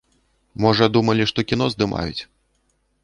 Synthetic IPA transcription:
mɔʐɐd̪umɐlʲiʂt̪ɔkʲin̪ɔzd̪ɨma̰jṵt͡sʲ

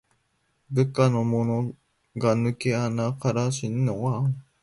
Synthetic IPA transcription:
bɯkanomono | ɡanɯ̟keanakaɾaɕinːoa

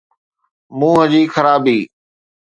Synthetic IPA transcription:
mũːɦəd͡ʑiːxəɾaːbiː

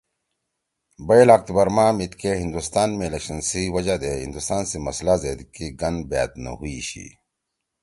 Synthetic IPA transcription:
bɐjlak̚t̪bɐɾmaːmit̪keɦĩnd̪ust̪aːnmẽlɐkɕɐnsiwɐd͡ʑad̪eːɦḭ̃nd̪ust̪aːnsemɐslazeːd̪kiɡɐn̚ba̰ːt̪̚nɐ̰ɦuiɕḭ

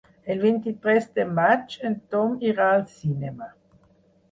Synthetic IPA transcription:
elvent̪it̪ɾɛst̪emat͡ʃent̪ɔmiʁaːlsinema

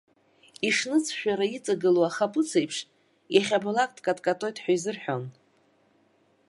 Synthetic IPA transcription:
iʂnɨt͡sʰʃᶣaɾait͡sʼaɡɨloaχapʼʊt͡sʰejpʰʂ | jaχʲabalakʼdkʼatʼkʼatʼo̞jtʼħᶣaizɨrħᶣo̰n

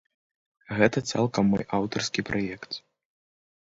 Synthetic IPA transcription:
ɣɛt̪ɐt̪sa̰lˠkɐmːɔ̰jʔawt̪ɐrskʲipɾʔajɛkt̪

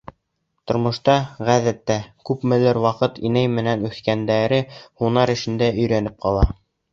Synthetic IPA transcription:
t̪ŏɾmŏʃt̪ɑʁæðæt̪ːækʉpmɘ̆lɘɾwɑqɤt̪inæjmɘ̆nænʉθkænd̪æɾɘhunɑɾɘ̆ʃɘ̆nd̪æɵ̆jɾænɘp̚qɑlˠɑ

